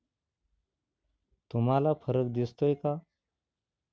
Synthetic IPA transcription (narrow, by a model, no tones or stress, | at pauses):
t̪umalafʰəɾək̚d̪ist̪ojka